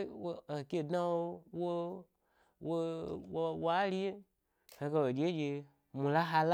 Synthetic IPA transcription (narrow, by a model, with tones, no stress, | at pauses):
we˨kʲe˨dnã˦wo˦wo˦ | wo˦wo˧wa˦li˦je˦ | he˧ke˧wo˨d͡ʒe˦d͡ʒe˧ | mũ˨la˦ɦa˧l